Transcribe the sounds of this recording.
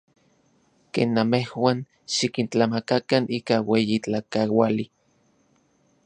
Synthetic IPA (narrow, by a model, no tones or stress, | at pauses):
kḛːnːamehwaːn | ʃikint͡ɬamakakanʔiːkawejit͡ɬakawali